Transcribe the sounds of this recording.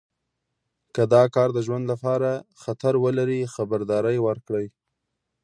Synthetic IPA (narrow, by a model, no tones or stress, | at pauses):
kəd̪ɑkɑɾd̪əʒwand̪lapɑɾaxat̪aɾwəlaɾixabaɾd̪ɑɾəjwəɾkɽəj